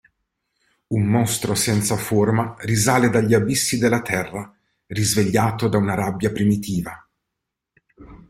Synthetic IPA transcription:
unmɔst̪ɾosɛnt̪saformarizaːled̪aʎːiabisːid̪elːat̪ʰɛrːa | rizveʎːaːt̪od̪aunaɾabːjapɾimit̪iːva

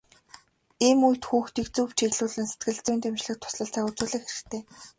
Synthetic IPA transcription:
iːmujt̪xuːxt̪ikt͡suːpt͡ɕʰiɣɮuːɮɘ̆nse̥t̪̚ɡɘ̆ɮt͡sʊːnt̪emt͡ɕɮɘ̆k̚t̪ʰʊ̥sɮə̆ɬt͡saːut͡suːɮɘ̆kxeɾɘ̆xt̪ʰeː

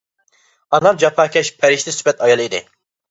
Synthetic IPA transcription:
ɑnlˠɑɾd͡ʒɑpʰɑːkʲʰɛʃpʰɛɾɪʃt̪ɛsypɛt̪ɑjɑlˠid̪ɪ̰

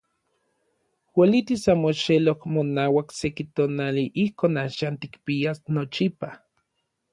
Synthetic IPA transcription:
welit̪isamoʃelokmonaːwaksekit̪oːnaliʔihkoːnaʃaːnt̪ikpiasnot͡ʃipa

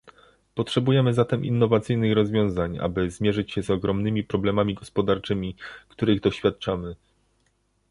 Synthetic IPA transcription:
pɔtʂɛbujɛmɘzat̪ɛmʔḭnːɔvat̪sɘjnɘxɾɔzvʲjɔ̃w̃zaɲa̰bɘzmʲjɛʐɘt͡ɕɕɛzɔɡɾɔmnɘmʲipɾɔblɛmamʲiɡɔspɔd̪aɾt͡ʂɘmʲikt̪uɾɘɣd̪ɔɕfʲjat̪̚t͡ʂamɘ

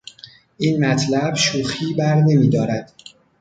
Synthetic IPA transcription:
ʔiːnmæt̪ʰlæbʃuːxiːbæɾne̞miːd̪ɒːɾæd̪̥

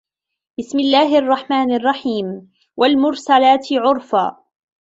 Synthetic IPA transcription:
bɪsmɪlːaːɦɪʔɑrˤːɑħmaːnɑrˤːɑħiːm | wʔalmʊɾsalaːt̪ɪʕʊɾfa̰ː

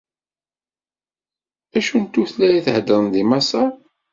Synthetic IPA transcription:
æʃunt̪ːuθlæjiθəhd̪əɾˤnðimɑsɑ

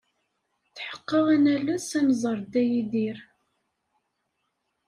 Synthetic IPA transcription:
θħə̥qːɑwænælːæsæmzˤəɾˤd̪æjiðiɾ

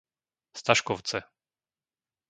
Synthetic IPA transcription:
st̪aʃkɔʊt͡sɛ

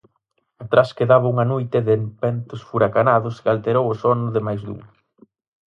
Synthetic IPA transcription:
at̪ɾaskeðaβauŋanojt̪ɪðempɛnt̪ʊsfuɾakanaðʊskalt̪eɾowʊsɔnʊðɪmajzðṵŋ

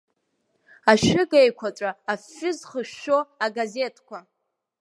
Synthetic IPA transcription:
aʃᶣɪɡejkʷʰaʈ͡ʂʷʼaːfːʊzχəʃoaɡaze̞tʰkʷʰa

